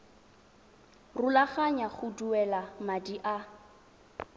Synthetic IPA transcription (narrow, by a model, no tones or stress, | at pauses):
rʊlaχaɲaχʊduɛlamadiʔa